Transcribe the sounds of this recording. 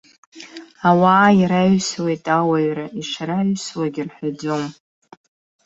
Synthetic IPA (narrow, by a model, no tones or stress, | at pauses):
awaːiɾaɥswe̞jtʼawaɥɾaiʂɾaɥswaɡʲɪrħʷᶣad͡zom